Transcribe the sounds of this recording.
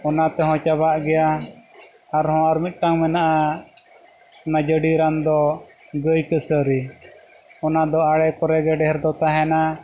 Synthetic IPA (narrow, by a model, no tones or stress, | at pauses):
ɔnat̪ɛɦɔ̃t͡ʃabaʔɡɛja | aɾhɔ̃aɾmit̪̚ˀʈaŋmɛnaʔa | ɔnad͡ʒəɖiɾand̪ɔɡəjkəsəɾi | ɔnad̪ɔaɽɛkɔɾɛɡɛɖɛɦɛɾd̪ɔt̪aɦɛna